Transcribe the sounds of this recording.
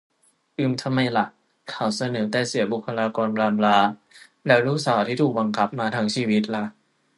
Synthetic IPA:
ʔɯː˧mt̪ʰa˧mːa˧jla˨˩ʔ | kʰaː˨˩wsa˧nɤː˩˦t̪ɛː˨˩si˩˦ɐbu˨˩kʰːa˧laː˧kɔː˧nplaː˧mlaː˧˥ | lɛː˦˥wɾuː˦˥saː˩˦wt̪ʰiː˥˩t̪ʰuː˨˩ba˧ŋkʰa˨˦˥p̚maː˧t̪ʰaː˦˥ŋt͡ɕʰiː˧wi˦˥t̪̚la˧˦ʔ

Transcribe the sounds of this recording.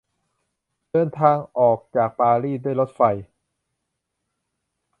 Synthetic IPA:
dɤː˧nt̪ʰaː˧ŋʔɔː˨˩k̚t͡ɕaː˨˩k̚paː˧ɾiː˥˩du˥˩əjlo˦˥t̪̚fa˧j

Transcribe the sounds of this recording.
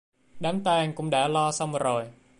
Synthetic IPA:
ɗaː˨˦mt̪aː˧ŋkʊ̰˧˥ŋ͡mɗa̰ː˧˥lɔ˧sa˧wŋ͡mzo˨˩j

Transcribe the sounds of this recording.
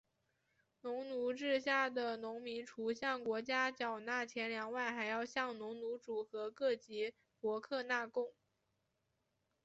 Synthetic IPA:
nʊ˧˥ŋnu˧˥ʈ͡ʂɻ̩˥˧ɕja˥˩d̪ə˩nʊ˧˥ŋmi˧˥nʈ͡ʂʰu˧˥ɕjɑ˥˩ŋkwɔ˧˥t͡ɕja˥t͡ɕjɑ˨˩ʊna˥˩t͡ɕʰjɛ˧˥nljɑ˧˥ŋwa˥˩nxa˧˥ɪjɑ˥˧ʊɕjɑ˥˩ŋnʊ˧˥ŋnu˧˥ʈ͡ʂu˨˩xɤ˧˥kɤ˥˩t͡ɕi˧˥ | pwɔ˧˥kʰɤ˥˧na˥˩˧kʊ˥˩ŋ

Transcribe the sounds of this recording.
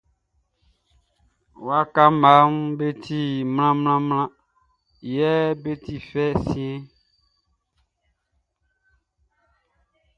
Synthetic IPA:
wa˦ka˦ma˨˦m˦be˦t̪ʰi˦ml̃ã˦mlã˦mlã˦ | jɛ˦be˦t̪i˨fɛ˦sĩ˦ɛ̃˦

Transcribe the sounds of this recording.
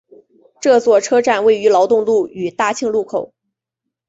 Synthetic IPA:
ʈ͡ʂɤ˥˧t͡swɔ˥˩ʈ͡ʂʰɤ˥ʈ͡ʂa˥˩nwe˥˩ɪy˧˥lɑ˧˥ʊt̪ʊ˥˧ŋlu˥˩y˨˩t̪a˥˧t͡ɕʰi˥˧ŋlu˥˩kʰo˨˩˦ʊ

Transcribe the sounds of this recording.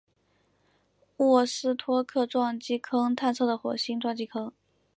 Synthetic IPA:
wɔ˥˩sɹ̩˥˩t̪ʰwɔ˥kʰɤ˥˧ʈ͡ʂwɑ˥˧ŋt͡ɕi˥kʰɤ˥ŋt̪ʰa˥˧nt͡sʰɤ˥˩d̪ə˩xwɔ̰˨˩ɕi˥ŋʈ͡ʂwɑ˥˧ŋt͡ɕi˥kʰɤ˥ŋ

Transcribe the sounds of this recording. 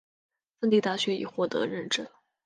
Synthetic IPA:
fə˥˧nt̪i˥˧t̪a˥˩ɕɥɛ˧˥ḭ˨˩xwɔ˥˩t̪ɤ̰˧˥ɻə˥˩nʈ͡ʂə˥˩n

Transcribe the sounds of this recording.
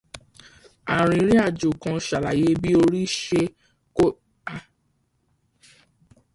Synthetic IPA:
a˨ɾ̃ĩ˨˦ɾ̃ĩ˦a˦˨d͡ʒu˨kã˧ʃa˨la˨je˨˦bi˦o˧ɾi˦ʃe˧ | ko˦ | a˧

